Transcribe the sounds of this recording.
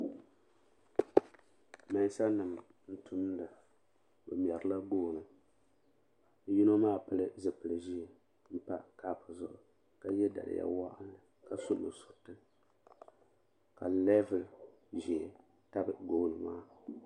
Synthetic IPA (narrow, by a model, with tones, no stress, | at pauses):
ma˨n˦sa˦nɨ˨m | n̩˦tʰʊ˦mdɨ˨ | bɨ˨m˨ɛ˨ɾɨ˨˦la˦ɡoː˦˨nɨ˨˦ | ji˦no˦maː˦pɨ˦lɨ˦zɨ˨pɨ˨lɨ˨ʒi˦ɛ˨ | m̩˦pa˦ka˨pʊ˨zʊ˨ʔʊ˨ | ka˦jɛ˦da̰˨lɪ̰˨ja̰˦wa˦ʔa˦nlɨ˨ | ka˨sʊ˦mɨ˨sʊ̥˨ɾtɨ˦ | ka˨lɛ˦vɨ˨l | ʒɛ˨ | ta˦bɨ˨ɡo˨˦˨lɨ˨maː˦